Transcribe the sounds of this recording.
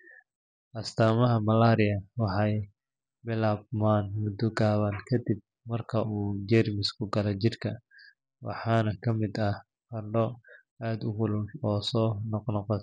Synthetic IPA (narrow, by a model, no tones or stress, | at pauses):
ʔɐst̪ʰaːmɐɦɐmɐlaːɾɪjɐwɑħɑj | bɪlaːbmaːnmʊd̪ɔɡaːβɐnkʰɐd̪ɪb̚ | mɐrkʰɐuːd͡ʒɛrmɪskʰʊɡɐlɛt͡ʃɪrkʰɐ | wɑ̰ħɑːnɐkʰɐmɪd̪ɐ | kɐɖɔ | aːd̪ʊɣʊlʊlɔːsɔːnɔqnɔqɔt̪